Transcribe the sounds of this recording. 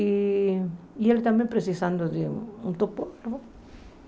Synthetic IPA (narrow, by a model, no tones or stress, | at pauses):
i | ielt̪ambjempɾesisand̪oðeunt̪upoɾo